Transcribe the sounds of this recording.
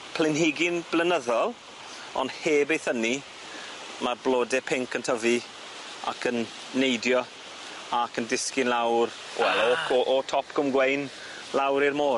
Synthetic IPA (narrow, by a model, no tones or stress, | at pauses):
pʰl̥ɪnɦɪɡɪnb̥lənəðɔlˠ | ɔ̰ndheːbejθəni | marblˠoːdɛpʰɪŋkʰəntʰəvi | a̰kʰənː | ejdjɔ | akəndɪskɪnlawr | wɛlokʰʔːtʰɔpkʰəmɡwejn | lawɾirmoː